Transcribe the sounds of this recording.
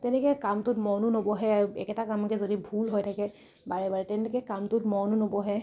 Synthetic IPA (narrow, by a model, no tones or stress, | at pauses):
tɛnɛkɛjkamtʊtmɔnunobɔɦɛaɹuɛ̰kɛtakamkɛzodibʱulɦojtʰakɛ | baɹɛbaɹɛtɛnɛkɛkamtʊtmɔnunobɔɦɛ